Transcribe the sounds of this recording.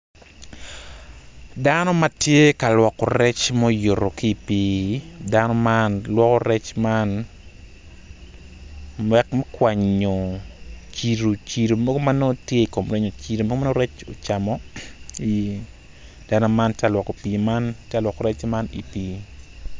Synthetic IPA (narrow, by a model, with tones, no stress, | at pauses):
danɔ˦ma˦tje˦ka˨lwɔ˨kːɔ˨ɾɛ˦t͡ʃmo˦jo˨ɾo˨ki˨pi˦danɔ˦manlwɔkɔ˦ɾɛ˦t͡ʃman | wɛ˨kmɛ˦kwa˨ɲo˨t͡ʃi˨ɾo˨t͡ʃi˨ɾo˨mɔ˦ɡo˦ma˦no˦tje˦i˨ko˨mɾɛ˦ɲo˨t͡ʃi˦ɾo˨mɔ˦ɡma˦no˦ɾɛ˦t͡ʃo˨t͡ʃa˨mɔ˦i | d̥a˦nɔ˦manta˨lwɔ˨ko˨pi˨ma˦nta˨lwɔ˨kɔ˨ɾɛ˦t͡ʃma˦ni˨pi˦